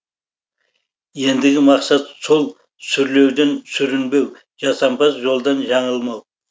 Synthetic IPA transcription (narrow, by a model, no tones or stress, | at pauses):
je̞nd̪ɪɡʲɪmɑqsɑt̪so̞lˠ | sʏɾle̞wd̪ensʏɾɪnbe̞w | ʒɑsɑmpʰɑsʒo̞lˠd̪ɑnʒɑɴəlˠmɑw